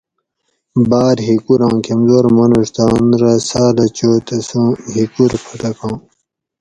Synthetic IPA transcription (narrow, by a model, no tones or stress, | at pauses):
baːɾɦikuɾɑ̃ːkʰemzoːɾmɐnuʂt̪aːnɾɐsaːlɐt͡ɕoːt̪ɐsũːɦikuɾpʰɐʈɐkɑ̃ː